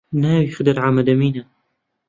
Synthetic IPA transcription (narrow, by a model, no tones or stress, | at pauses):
naːwjɪxd̪ɪɾʕamad̪amiːna